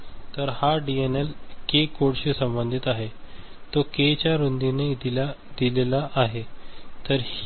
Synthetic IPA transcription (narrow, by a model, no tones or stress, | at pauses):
t̪əɾhaɖienelkekoɽɕisəmbənd̪ʱit̪aɦet̪oket͡ɕjaɾond̪ined̪ia | d̪̥ilelaʔːɦet̪əɾh